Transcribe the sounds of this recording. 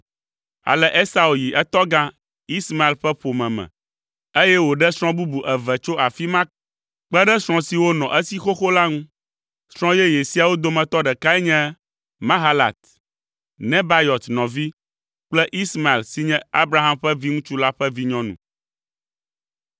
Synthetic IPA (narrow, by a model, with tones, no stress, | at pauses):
a̰˨lɛ˦ʔe˦sa˦u˨ji˨ʔɛ˦t̪ɔ˦ɡã˦ | i˦sma˨e˨lɸɛ˦ɸo˨mɛ̃˨mɛ̰̃˨ | e˦jɛ˦wo˨ɖɛ˦sɾ̃ɔ̃˦bu˦bu˨ʔɛ˨vɛ˨t͡ʃo˦a˨fi˦mã˦ | k͡pɛ˦ɖɛ˦sɾ̃ɔ̃˦si˨wo˦nɔ̃˨ʔɛ˦si˦xo˦xo˦la˦ŋũ˦ | sɾ̃ɔ̃˦jɛ˦je˨si˦a˨wo˦d̪o˨mɛ̃˨t̪ɔ˦ɖɛ˨ka˦ɛ˦ɲɛ̃˦ | mã˦ɦa˦la̰˨t̪ | nɛ̃˦ba˦jɔ˨t̪nɔ̃˨vi˦ | k͡plɛ˦ʔi˦sma˨e˨lsi˦ɲɛ̃˦a˦bɾa˦ɦa˦mɸɛ˦vi˦ŋũ˦t͡ʃu˦la˦ɸɛ˦vi˦ɲɔ̃˦nṵ̃˨